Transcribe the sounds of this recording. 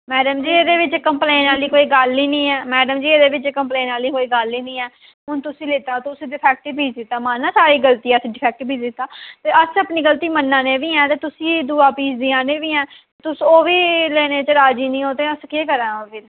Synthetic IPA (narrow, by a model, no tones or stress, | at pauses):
mɛːɖəmd͡ʒiːeːd̪eːʋɪt͡ʃkəmplẽːnaːliːkoːiːɡəlːiːnĩːɛːmɛːɖəmd͡ʒiːeːd̪eːʋɪt͡ʃkəmpleːnaːliːkoːiːɡəlːiːnĩːɛː | ɦʊnt̪ʊsĩːlɪt̪aːt̪ʊsiɖɪpʰɛːk̚ʈːpiːd͡ʒd̪ɪt̪ːaːmãːnãːsaːɾiːɡəlt̪iːɛːsiɖɪpʰɛːk̚ʈːbiːd͡ʒd̪ɪt̪ːaːt̪eːəsəpniːɡəlt̪iːmənːãːnẽːʋiːɛ̃ːt̪eːt̪ʊsĩːd̪uːaːpiːd͡ʒd̪iːãːnẽːʋiːɛ̃ːt̪et̪ʊsoːʋiːleːneːt͡ʃəɾaːd͡ʒiːnĩːoːt̪eːəskeːkəɾɛ̃ːoːpʰɪɾ